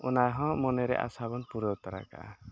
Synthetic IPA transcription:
unajɦɔ̃mɔnɛɾɛ̰ʔa̰sabɔnpuɾɔt̪aɾa̰ka̰ʔa̰

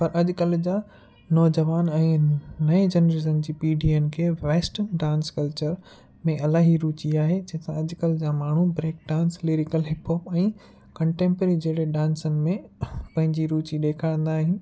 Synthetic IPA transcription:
pɐɾʔɐʄʊkɐld͡ʑaː | nɔːd͡ʑɐʋaːnɛ̃ːnɐed͡ʑɐnɾizənd͡ʑiːpiːɖienkʰeːʋeːsʈənɖãːnskɐlt͡ɕəɾ | mẽʔɐlaːɦiɾuːt͡ɕiaːɦed͡ʑɐ̃ɦt̪ãɐʄkɐlɪd͡ʑaːmaːɳ̤ubɾeːk̚ɖãːnsliɾɪkəlɦɪpʰoːpɛ̃ː | kɐ̃ɳʈẽːmpəɾid͡ʑeːɽeɗãːnsənɪ̆mẽpɐ̃ɦɪ̃ɲd͡ʑiɾuːt͡ɕiɗeːkʰaːɪ̃n̆d̪aːɦĩ

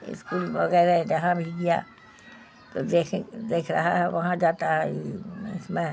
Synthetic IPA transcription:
ɪ̰skuːlbɐɣɛːɾɛd͡ʒɐɦãbʱiɡija̰ | t̪od̪eːkʰd̪eːkʰɾɐɦaɦɛʋɐɦãd͡ʒaːt̪aɦɛiɪsmẽ

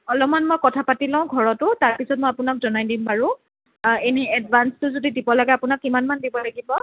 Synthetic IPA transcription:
ɔlɔmanmojkɔtʰapatilãʊ̃ɡʱɔɹɔtʊtaɹpisɔt̚mɔjapʊnakzɔnajdimbaɹʊ̃ | eniɛdbanstʊzodidibɔlaɡɛapʊnakːimanmandibɔlaɡibɔ

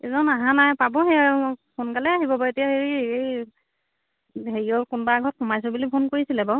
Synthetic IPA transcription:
ɛzɔnaɦãnajpabɔɦejapʰonkalɛaɦibɔbaetijaheɹiej | ɦeɹiɔkunbaɡʱɔt̚xʰɔmajs̬ɔbulipʰonkoɹisilɛba

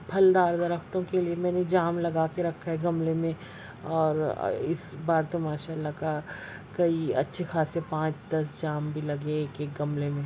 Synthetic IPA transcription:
pʰɐld̪aːɾd̪ɐɾəkt̪õkeliemɛ̃ːned͡ʒaːmlɐɡaːkeɾɐkʰːaɦɛɡɐmlemẽ | ɔːɾ̰ɪ̰sbaːɾt̪ɐmaːʃaːlːaka | kɐiɐ̰tːʃʰexʰaːsepãːt͡ʃd̪ɐs̬d͡ʒaːmbʱilɐɡeeːkeːk̚ɡɐmlemẽ

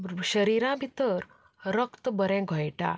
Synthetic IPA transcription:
ɕəɾiɾãbʱit̪əɾ | ɾəkt̪bəɾɛ̃ɡʱɔjʈa̰

